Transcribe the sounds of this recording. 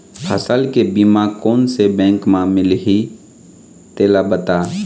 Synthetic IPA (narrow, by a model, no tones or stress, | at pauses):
həsəlkebimakoːnsebɛ̃ːŋkmãmɪlɦi | t̪eːlabət̪aː